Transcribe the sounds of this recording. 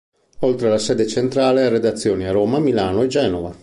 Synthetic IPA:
olt̪ɾelasɛːd̪et͡ʃent̪ɾaːleared̪at̪sːjoːniaroːmamilaːnoed͡ʒɛːnova

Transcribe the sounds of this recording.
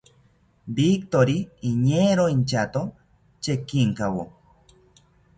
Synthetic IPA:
bik̚t̪oɾiːɲeɾoint͡ʃat̪o | t͡ʃekiŋkawo

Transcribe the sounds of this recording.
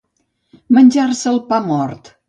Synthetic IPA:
mənʲʒarsəlˠpamɔrt̪

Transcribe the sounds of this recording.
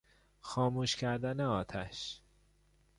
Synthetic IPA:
xɒːmuːʃcʰæɾd̪æneɒːt̪ʰæʃ

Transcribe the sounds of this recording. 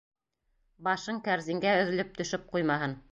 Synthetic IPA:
bɑʃɤŋkæɾzĭŋɡæɵ̆ðɘ̆lɘp̚t̪ɵ̆ʃɘp̚qujmɑɦɤn

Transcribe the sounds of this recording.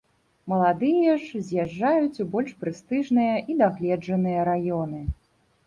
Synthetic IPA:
mɐlˠad̪ɨjɐʐzʲjaʐːajut͡sʲubɔlʲʂpɾɨst̪ɨʐnɨjɐʔid̪aɣlʲɛd͡ʐɐnɨjɐɾajɔnɨ

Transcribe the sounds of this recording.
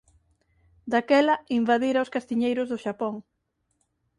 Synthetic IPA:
d̪akɛlɐimbaðiɾaʊskast̪iɲejɾʊzðʊʃapɔŋ

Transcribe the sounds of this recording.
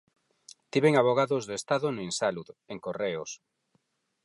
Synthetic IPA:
t̪iβeŋaβoɣaðʊzðest̪aðonʊinsaluðeŋkoreos

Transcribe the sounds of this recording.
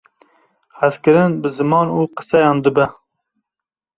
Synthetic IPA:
hæzkɨɾɨnbɨzɨmɑːnuːqə̥sɛjɑːnd̪ɨbɛ

